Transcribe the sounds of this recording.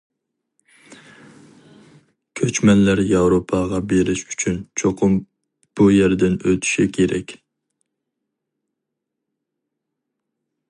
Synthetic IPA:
kʲʰøt͡ʃmɛnlæɾjɑwɾopʰɑʁɑbeɾɪʃy̥t͡ʃʰynt͡ʃʰoqʰʊm | b̥ujæɾd̪ɪnøt̪ʰy̥ʃikʲʰeɾʔɛ̰kʲ

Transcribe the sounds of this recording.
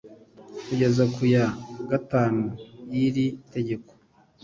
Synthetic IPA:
kuɟe̞zakujaɡataːnujiɾite̞ɟe̞ko̥

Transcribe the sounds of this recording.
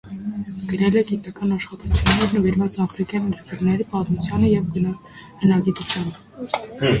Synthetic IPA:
ɡ̥əɾɛlɛɡit̪ɑkɑnɑʃχɑt̪ut͡sʰjunːɛɾnəviɾvɑt͡sɑfɾikjɑnjɛɾkəɾnɛɾipɑt̪mut͡sʰjɑnəjɛvɡən | hənɑɡit̪ut͡sʰjɑnə

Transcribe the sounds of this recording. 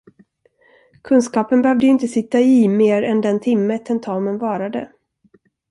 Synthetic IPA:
kʰɵnskɑːpənbɛhœvd̪əʏɪnt̪əsɪt̪ːaɪmeːɾɛnd̪ɛnt̪ʰɪmːət̪ʰɛnt̪ʰɑːmənvɑːɾad̪ə̰

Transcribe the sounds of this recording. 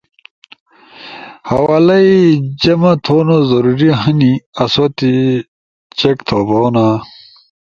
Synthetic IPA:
hɐwaːlɐid͡ʑɐmɐt̪ʰoːnozɐɾuɾiɦɐniɐsot̪i | t͡ɕekt̪ʰoboːna

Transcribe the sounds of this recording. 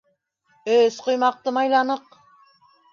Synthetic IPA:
øz̥qʰojmɑq̚t̪əmɑjlˠɑnəq

